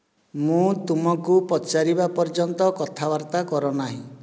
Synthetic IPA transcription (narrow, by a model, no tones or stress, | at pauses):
mũt̪umɔkupɔt͡ʃaɾibapɔɾd͡ʒɔnt̪ɔkɔt̪ʰabaɾt̪akɔɾɔnaɦḭ̃